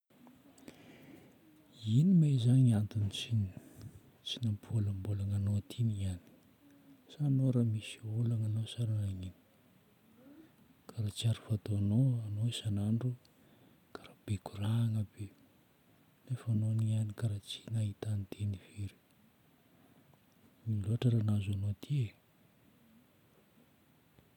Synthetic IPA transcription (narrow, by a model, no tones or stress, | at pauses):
inimezaŋiant̪init͡sini | t͡sinampʰolambolaŋanoat̪ʰiniani̥ | sanoɾamisiolaŋanosaɾanaŋini̥ | kaɾat͡siaɾufat̪oanoanoesanaɳɖ͡ʐu | kaɾab̥ekuraŋəbe | nefanonianikaɾat͡si̥naɦit̪anit̪ʰeniveɾi̥ | miloɦaʈ͡ʂəɾanazanot̪ʰie